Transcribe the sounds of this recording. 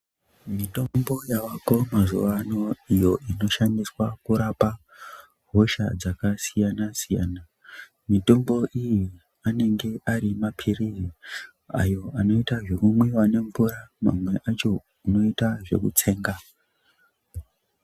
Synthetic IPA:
mito̞mbo̞jawako̞mazuʋano̞ijo̞ʔino̞ʃandiswakuɾapa | ɦo̞ʃa̰d͡zakasijanasija̰ːna | mito̞mbo̞ʔiji | ane̞ŋɡe̞ʔaɾimapʰiriri | a̰jo̞ano̞itaʐe̞kumwiwane̞ɱvuɾama̰mwe̞ʔat͡ʃo̞ | uno̞itaʐe̞̰kut͡se̞ːŋɡa

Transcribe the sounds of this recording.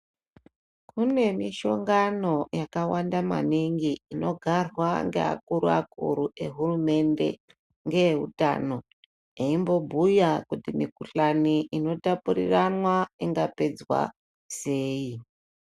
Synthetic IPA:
kune̞miʃo̞ŋɡano̞jakawandama̰niŋɡiino̞ɡʱarwaŋɡḛa̰kuɾuakṵɾuʔe̞ɦurume̞nde̞̰ | ŋɡe̞uta̰no̞ | eimbo̞bʱujakutimikuɬaniʔino̞tapuɾḭranwaiŋɡape̞d͡zwa̰ | se̞ːi

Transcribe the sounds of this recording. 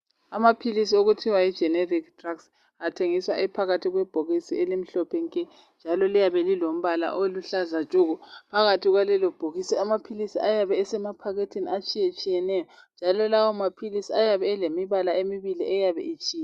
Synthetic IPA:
amapʰilisioɣutʰiwaid͡ʒʱɛneriktʰʼraks | atʰeŋiswa̰ɛpʰaɣatʰiɣwɛb̥ʱoɣisielim̩ɬɔpʰɛŋkʼɛ | nd͡ʒʱalɔlijaβɛlilom̩βala̰ʔoluɬazat͡ʃʼuɣupʰaɣatʰiɣwalɛlɔb̥ʱoɣisiamapʰilisiajaβɛːsɛmapʰaɣetʰiniat͡ʃʼijet͡ʃʼijɛnɛjɔ | nd͡ʒʱalɔlawɔmapʰilisiajaβɛːlemiβalaemiβiliʔɛjaβɛ̰it͡ʃʼiːja

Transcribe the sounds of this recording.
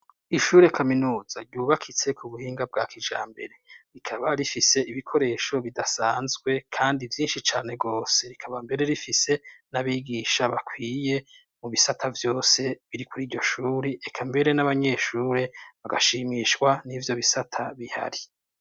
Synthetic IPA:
iʃuːɾe̞kʰaminuːz̥aɟuːβakʰit͡se̞kuβuhiːŋɡab̚ɡaːkid͡ʒa̰ːmbe̞̰ɾe̞ɾikʰaβaɾifise̞ʔiβikʰo̞ɾe̞ːʃo̞βidasaːnzɡwe̞kʰaːndivjiːnʃit͡ʃaːne̞ɡo̞ːse̞ɾikʰaβambe̞ɾe̞ɾifise̞naβiːɡiʃaβakʰwiːje̞ | muβisatʰavjo̞ːse̞βiɾikʰuɾiːɾɟo̞ʃuːɾeʔekʰambe̞ɾe̞naβaɲe̞ʃuːɾe̞βaɡaʃiːmiːʃkwanivjo̞βisatʰaβiha̰ɾi

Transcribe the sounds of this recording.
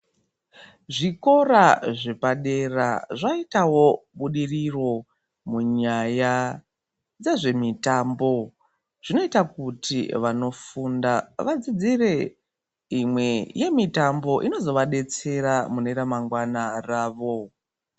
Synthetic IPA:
ʐiko̞ɾaʐe̞paɗe̞raʐaitawo̞ɓuɗiriro̞ | muɲaja | d͡zeʐe̞mitaːmbo̞ | ʐ̥ino̞itakutiʋano̞fundaʋad͡zid͡zire̞ | imwe̞je̞mitambo̞ʔino̞zo̞ʋaɗe̞t͡se̞ɾamuneɾamaŋɡwanaraːʋo̞

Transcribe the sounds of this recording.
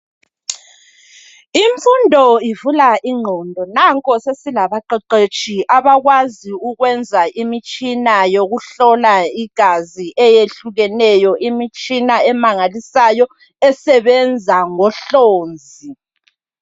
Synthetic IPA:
iɱfundʱɔivulaʔiŋ͡ǃʱɔndʱɔnaŋkʼɔsesilaβaǃɛǃet͡ʃʰʼiʔaβaɣwaziuɣwɛnd͡zʱaʔimit͡ʃʼinajoɣuɬɔlaiɡ̥ʱaziʔɛjeɬuɣɛnɛjɔʔimit͡ʃʼinaɛmaŋalisajɔ | ɛsɛβɛnd͡zʱaŋɔɬoːnd͡zʱi

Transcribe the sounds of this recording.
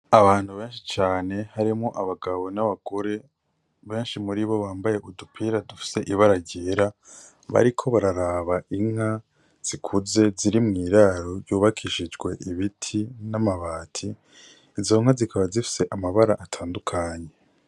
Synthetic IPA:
aβaːn̥huβe̞ːnʃit͡ʃaːne̞haɾimŋoʔaβaɡaβonaβaɡ̥o̞ɾe̞ | βe̞ːnʃimuɾiβo̞βaːmbaje̞ʔudupʰiːɾadufi̥se̞ʔiβaɾaɟeːɾa | βa̰ɾikʰo̞βaɾaɾaːβaʔiŋ̥a | z̥ikʰuze̞ziɾimŋiːɾaɾo̞ɾjuːβakʰiʃid͡ʒɡwe̞ʔiβitʰinamaβaːtʰiː | zo̞ŋ̥azikʰaβazifi̥se̞ʔamaβaɾaʔatʰaːndukʰaɲe̞

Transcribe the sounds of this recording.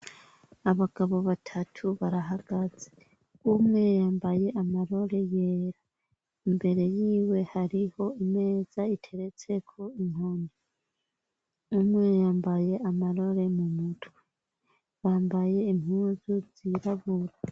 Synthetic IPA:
aβaɡ̥aβo̞βatʰatʰuβaɾaɦaɡ̥aze | umŋe̞jaːmbaje̞ʔamaɾo̞ɾe̞je̞ɾa | imbe̞ɾe̞jiːwe̞haɾiho̞ime̞ːz̥aitʰe̞ɾe̞t͡se̞kʰo̞iŋhoni | umŋejaːmbaje̞amaɾo̞ɾe̞mumutwe̥ | βaːmbaje̞imhuːzuz̥iɾaβuɾa

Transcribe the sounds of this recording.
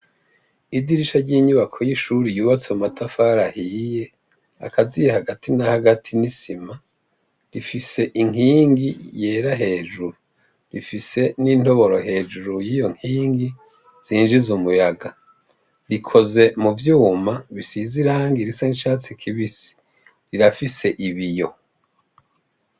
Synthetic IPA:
idiɾiʃaɾɟiːɲuβakʰo̞jiʃuɾijuːβat͡semumatʰafaːɾahije̞ | a̰kʰazijehaɡatʰinahaɡatʰinisima | ɾifise̞ʔiŋ̥hiːŋɡije̞ːɾaɦe̞ːd͡ʒuɾu | ɾifise̞ninto̞βo̞ɾo̞ɦe̞ːd͡ʒuɾujiːjo̞ŋ̥hiːŋɡi | z̥iːnʒizumujaɡa | ɾikʰo̞ze̞muvjuːmaβisiziɾaːŋɡiɾisaniʃaːt͡sikʰiβisi̥ | ɾiɾafise̞ʔiβijo̞

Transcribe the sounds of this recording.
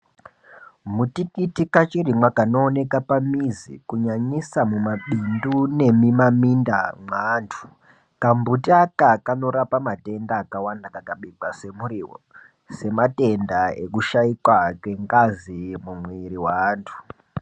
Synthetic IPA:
mutikitikat͡ʃirimwakano̞ːne̞kapamizḭkuɲaɲisamumaɓindune̞mimamindamwaːntʰu̥ | kambutiakakano̞ɾapamate̞ndaːkawandakakaɓiɡ͡base̞muɾiwo̰ | se̞mate̞ndaḛkuʃaikwakwe̞ŋɡazimumweɾiwaːntʰu̥

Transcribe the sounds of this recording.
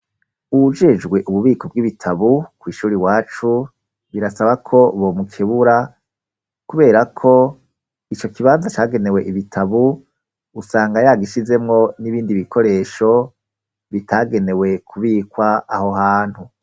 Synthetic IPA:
ud͡ʒe̞d͡ʒɡwe̞ʔuβuβiːkʰo̞bɡiβitʰaβukwiːʃuːɾiwaːt͡ʃu | βiɾasaβakʰo̞βomukʰeβuɾa | kuβe̞ːɾakʰo̞ | it͡ʃo̞kiβaːnzat͡ʃaːɡe̞ne̞we̞ʔiβitʰaβuː | saːŋɡajaːɡiʃize̞mŋo̞niβiːndiβikʰo̞ɾe̞ːʃo̞ | βitʰaːɡe̞ne̞we̞kʰuβiːkwaːho̞ɦaːn̥hu

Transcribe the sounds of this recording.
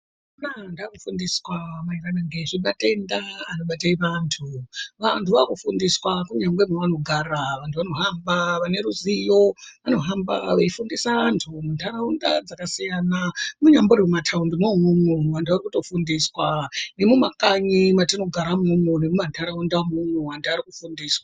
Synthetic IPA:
unandakufundiswamairanaŋɡeʐimate̞ndaano̞ɓataiʋantʰuʋantʰuʋakufundiswakuɲamɡwemeʋano̞ɡʱaraʋantʰuʋano̞ɦambaʋane̞ɾuzijo̞ʋano̞ɦamba̰ʋeifundisaantʰumuntʰaɾaunda̰d͡zakasijanamuɲamboɾwematʰaundomomumwumwantuarikuto̞fundiswane̞mumakaɲimatino̞ɡʱaɾamumunemumantʰaɾaundamumwewantʰuaɾikufundiːswa

